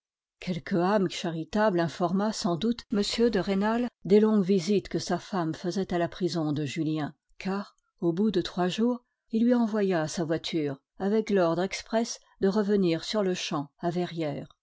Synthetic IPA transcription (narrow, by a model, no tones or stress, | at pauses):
kʲʰɛlkʰəamʃaʁit̪ablɛ̃fɔʁmasɑ̃d̪ut̪məsjød̪əʁenald̪elɔ̃ɡvizit̪kəsafamfəzɛt̪alapχizɔ̃d̪əʒyljɛ̃ | kʰaːʁ | obud̪ət̪χwaʒuːʁ | ilːɥiɑ̃vwajasavwat̪ʰyːʁ | avɛklɔʁd̪ʁɛkspχɛs | d̪əʁəvəniʁsyʁləʃɑ̃avɛʁjɛːʁ